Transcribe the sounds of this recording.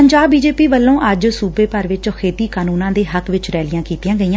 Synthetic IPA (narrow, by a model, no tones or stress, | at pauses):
əɲd͡ʒaːbːiːd͡ʒeːpiːʋəlːõːʔəd͡ʒsuːbeːpəɾʋɪt͡ʃɔkʰeːt̪iːkaːnuːnãːd̪eːɦəkʋɪt͡ʃɾɛːlɪjãːkiːt̪ɪjãːɡəiːãː